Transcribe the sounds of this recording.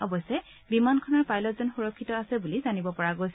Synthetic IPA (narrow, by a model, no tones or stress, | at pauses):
ɔbɔsɛ | bimankʰɔnaɹpajlɔtzɔnxuɹɔkʰːitɔasɛbulizanibɔpɔɹaɡojs